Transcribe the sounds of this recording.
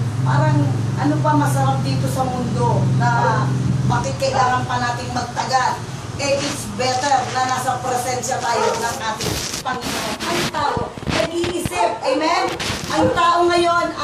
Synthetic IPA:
paːɾɐŋʔɐnopɐmɐsɐɾap̚d̪iːt̪o̞sɐmʊnd̪o̞nɐ | bakɪt̪̚kɐʔɪlaːŋɐnpɐnaːt̪ɪŋmɐɡ̚t̪ɐɡal | ʔɛjʔɪsbɛt̪ɛɾnɐnaːsɐpɾɛsɛnʃɐt̪aːjonɐŋʔaːt̪ɪŋpɐŋɪnonʔɐjt̪aːʔo | nɐɡ̚ʔiʔɪsɪp̚ʔɛmɛnʔɐŋt̪aːʔo̞ŋɐjo̞n

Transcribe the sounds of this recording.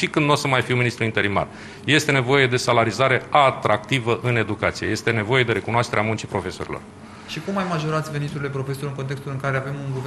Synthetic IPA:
ʃikɨnd̪nosəmajfiwminist̪ɾuint̪e̞ɾima̰r | je̞st̪e̞ne̞vo̞je̞d̪e̞salaɾizaɾe̞at̪ɾʔak̚t̪ivəʔɨne̞d̪ukat̪sije̞je̞st̪e̞ne̞vo̞je̞d̪e̞ɾe̞kunoaʃt̪eɾeamunt͡ʃipɾo̞fe̞so̞ɾḭlo̞̰r | ʃikumːajmaʒo̞ɾat̪sʲve̞nit̪uɾile̞pɾo̞fe̞so̞ɾɨŋkont̪e̞kst̪ulɨŋkaɾeave̞muŋɡu

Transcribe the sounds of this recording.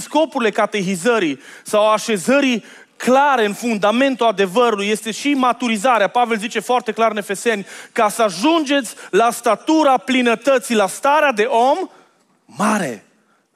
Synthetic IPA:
sko̞puɾile̞kat̪e̞çizəɾi | sawaʃe̞zəɾi | klaɾe̞ɨnfund̪ame̞nt̪uad̪e̞vəɾuluje̞st̪e̞ʃimat̪uɾizaɾeapave̞lzit͡ʃe̞foart̪e̞klaɾɨne̞fe̞se̞nʲkasəaʒund͡ʒe̞t̪sʲlast̪at̪uɾaplinət̪ət̪sijlast̪aɾead̪e̞ʔo̞mː | aɾe̞̰

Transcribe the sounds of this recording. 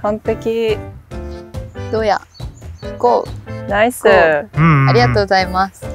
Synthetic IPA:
hõnt̪ekʲi | d̪̥oja̰ | koːnaisɨaɾʲiɣat̪oːɡozaimasɨ̥

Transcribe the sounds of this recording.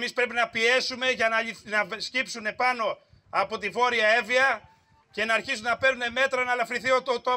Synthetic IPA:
mispɾe̞pinɐpie̞sume̞ʝɐnɐnɐscipsune̞pɐno̞ | ɐpo̞t̪ivo̞ɾiɐe̞viɐ | ce̞nɐːɾçisunnɐpe̞ɾune̞me̞t̪ɾɐnɐlɐfɾiθiot̪ot̪o

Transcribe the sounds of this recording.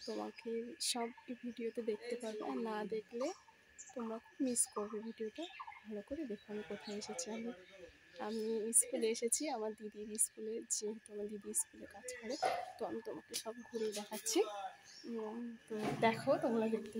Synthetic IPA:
t̪oma̰keʃɔbbʱiɖiot̪ed̪ek̚ʰt̪epaɾbḛʔaɾnad̪ekʰle | t̪omɾakʰubmiskoɾbebʱiɖioʈebʱalokoɾed̪ekʰanekot̪ʰaeeʃet͡ɕʰiami | amiskuleeʃet͡ɕʰiamaɾd̪id̪iɾiskuled͡ʑeɦt̪mad̪id̪iiskulekad͡ʑkɔɾet̪oamit̪omakeʃɔb̚ɡʱuɾejd̪ɛkʰatːɕʰi | t̪od̪ɛkʰot̪ɔŋlaɡipt̪i

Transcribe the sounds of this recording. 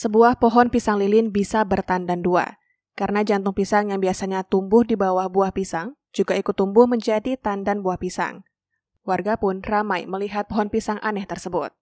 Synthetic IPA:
səbuahpɔɦɔnpisaŋlilɪnbisabərt̪andandua̰ | kaɾənad͡ʒant̪ʊŋpisaŋjaŋbiasaɲat̪umbʊhdibawahbuahpisaŋ | d͡ʒuɡaikut̪ːumbʊhməɲd͡ʒadit̪andanbuahpisa̰ŋ | warɡapʊnramajməliɦat̪̚pɔɦɔnpisaŋʔanɛht̪ərsəbʊt̪̚

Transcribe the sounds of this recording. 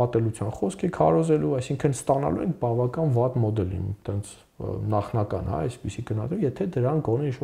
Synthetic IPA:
ɑt̪ɛlut͡sʰjɑnχɔskʰɛkʰɑɾɔzɛluɑjsiŋkʰənst̪ɑnɑ̰luɛ̰ŋk̚ʰbɑvɑkɑnvɑt̪mɔd̪ɛlḭmt̪ɛnt͡sʰ | nɑχnɑkɑ̰nhɑ̰ɛspisiɡənɑt̪umjɛt̪ʰɛd̪əɾɑŋɡɔnɛinʃvɔ

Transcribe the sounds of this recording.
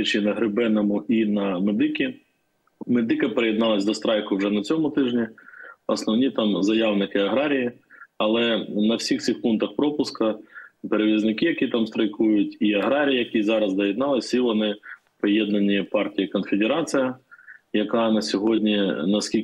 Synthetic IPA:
t͡ʃinɐɦɾɪbɛnɔmʊinɐmed̪ɪkʲi | med̪ɪkɐpeɾejɛd̪nɑlˠɐsʲd̪ɔst̪ɾɑjkʊwʒɛnɐt͡sʲɔmʊt̪ɪʒnʲiɔsnɔwnʲit̪ɑmzɐjɑwnɪkɪɐɦɾɑɾʲijiɐlˠɛnɐwsʲixt̪sɨxpunt̪ɐxpɾɔpʊskɐpeɾeʋʲiznɪkɪjɐkʲit̪ɑmst̪ɾɐjkujʊtʲiɐɦɾɑɾʲijijɐkʲizɑɾɐzd̪ɐjɛd̪nɑlˠɪsʲilˠɔnɪ | pɔjɛd̪nɐnʲipɑrtʲijɐkɔnfed̪ʲeɾɑt͡s̪ɨjɐjɐkɑnɐsʲɔɦɔdʲnʲinɐskʲi

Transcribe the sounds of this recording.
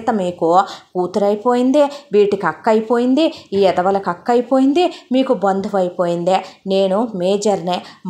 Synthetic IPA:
t̪ɐmiːkukuːt̪uɾɐjpo̞ːjind̪iʋiːʈikɐkːɐjipo̞ːjind̪iiːɛd̪ɐʋɐlɐkɐkːɐjipo̞ːjind̪imiːkubɐnd̪ʱuʋɐjipoːjind̪ene̞ːnumeːd͡ʒɐɾnem

